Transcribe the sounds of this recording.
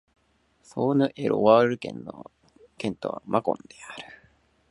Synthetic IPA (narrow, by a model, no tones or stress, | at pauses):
soːnɯ̟ʔeɾoβaɾɯ̟kẽ̞̰nːo | kẽ̞nt̪oβa̰mʔakõ̞̰nd̪̥e̞aɾɯ̟̥